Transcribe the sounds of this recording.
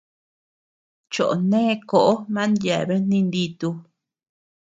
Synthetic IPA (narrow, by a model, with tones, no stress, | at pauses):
t͡ʃo˨ʔo˨nẽː˦˧ko˨ʔo˦mã˦nd̪ja˨βe˦n̥nĩ˧nd̪i˧t̪u˧